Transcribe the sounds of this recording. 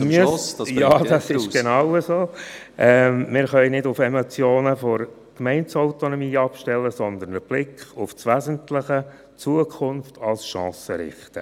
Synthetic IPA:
msjɑːd̥ɑsɪʃɡ̥enɑʊəzoː | ʔɛmmɪːɾχœɪnɪdʊfemɔt͡sjoːnəfɔɾ | kmɛɪnt͡sɔʊt̪ɔnɔmiːɑpʃtɛlːəsɔnd̪əɾnəb̥lɪkχʊft͡sʋæzəntlɪχə | t͡suəkʰʊnftʰɑlˠsʃɑ̃ːsəɾɪ̰χtə

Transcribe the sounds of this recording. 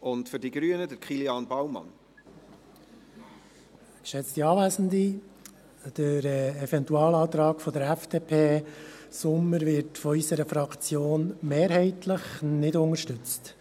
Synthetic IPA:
ʔʊntfʏɾdiɡɾyənədəɾkχiljɑːnbawmɑ̰n | kʃɛt͡stiɑːvæːzən̩di | d̥əɾɛɛvɛntuɑːlɑːt̪ɾɑːɡfɔdəɾæfd̥eːpʰeːsʊmːəɾvɪɾtfɔysəɾəfɾɑkʰt͡sjoːnmeːɾɦɛɪtləχnɪdʊŋəɾʃtʏt͡st

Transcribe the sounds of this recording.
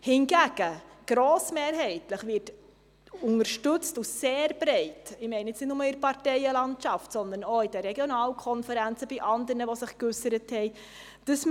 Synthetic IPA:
hɪnɡæɡ̥əɡ̥ɾoːsmeːɾɦɛɪtləχʋɪt | ʊŋəɾʃtʏt͡stuseːɾb̥ɾɛɪtɪmɛɪnəɪt͡snɪtnʊməɪɾpɑɾtɛɪəlɑntʃɑftsɔnd̪ənoːɪd̥ɛːɛɡjonɑːlkʰɔnfəɾænt͡səbiʔɑnd̪əɾnəʋosɪχkʏsəɾəthɛɪ | d̥əs

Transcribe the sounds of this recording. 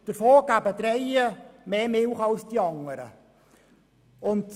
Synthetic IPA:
d̥əɾfoːɡ̥æbədɾɛjəmeːmɪlχɑlsd̥iɑŋːəɾə̰ | ʊnt

